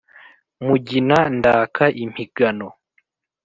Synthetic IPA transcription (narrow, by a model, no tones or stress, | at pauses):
muɟinandaːkʰaʔim̥iɡ̥ano